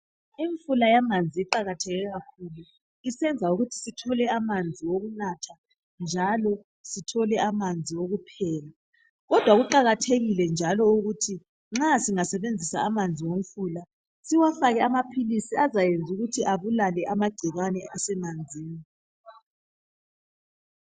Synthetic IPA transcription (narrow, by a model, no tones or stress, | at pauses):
iɱfulajamand͡zʱiiǃaɣatʰɛɣɛɣakʰulu | isɛnd͡zʱauɣutʰi̥sitʰɔlɛamand͡zʱiwoɣunatʰa | nd͡ʒʱalɔ | sitʰɔlɛʔamand͡zʱiwoɣupʰɛːla | ɣɔd̥ʱwaɣuǃaɣatʰeɣilɛnd͡ʒʱalɔuɣutʰi | ŋ͡ǁasiŋasɛβend͡zʱisa̰ːmand͡zʱiwom̩fula | siwafaɣɛamapʰilisiazajend͡zʱuɣutʰiʔaβulalɛʔamaɡ͡ǀ̥ʱiɣanɛʔasɛmand͡zʱiːni